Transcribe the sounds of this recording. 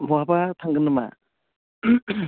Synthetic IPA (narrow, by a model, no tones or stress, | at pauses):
mɔabatʰaŋɡɯnɯma̰